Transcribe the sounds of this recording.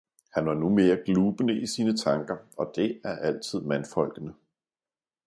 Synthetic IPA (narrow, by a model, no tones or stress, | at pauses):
hænʋɑ̈nume̝ːɐɡ̥luːb̥ənəʔisiːnət͡sʰɑ̈ŋɡ̥ɐɒ̽d̥e̝æɐʔæl̰t͡sʰið̞̰ˠmænfɒ̽l̰ɡ̥ənə